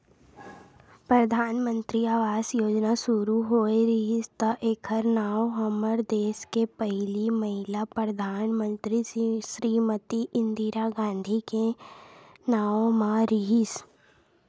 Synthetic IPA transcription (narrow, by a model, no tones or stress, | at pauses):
pɾəd̪ʱaːnmə̃nt̪ɾiaːʋaːzjoːd͡ʒnasʊɾuɦoːeɾɪɦɪst̪aʔeːkʰəɾnaːwɦɐməɾd̪eːskepəɦɪlimɐɦɪlapɾəd̪ʱaːnmə̃nt̪ɾiʃɾiːmət̪iʔɪ̃nd̪ʱiɾaɡãːnd̪ʱike | naːõmaɾɪɦɪs